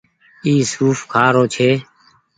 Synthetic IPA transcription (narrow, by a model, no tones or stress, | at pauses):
iːsuːfkʰaːɾoːt͡ʃʰeː